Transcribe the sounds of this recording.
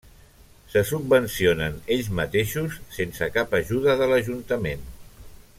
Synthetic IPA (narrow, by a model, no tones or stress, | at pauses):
səsubbənsionəneʎzmət̪eʃusːensəkapəʒuðəðələʒunt̪əmen